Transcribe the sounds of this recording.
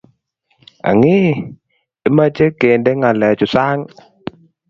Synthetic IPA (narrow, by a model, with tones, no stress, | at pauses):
a̰˨ŋi˦ | ɛ˨˦ma˦t͡ʃe˦ke˨ndɛ˦ŋa˨lɛ˨t͡ʃʊ˨sa˦ŋ